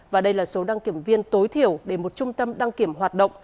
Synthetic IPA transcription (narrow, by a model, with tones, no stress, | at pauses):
vaː˨˩ɗə˧jlaː˨˩so˨˦ɗa˧ŋki˧˩əmvi˧ənt̪o˨˦jt̪ʰi˧˩əwɗe˧˩mo˨˩t̚t͡ɕʊ˧ŋ͡mt̪ə˧mɗa˧ŋki˧˩əmɦwaː˨˩t̚ɗə̰˧˨wŋ͡m